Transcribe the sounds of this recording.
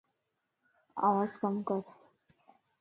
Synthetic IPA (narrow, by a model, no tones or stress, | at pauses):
a̰waskʼamkʼap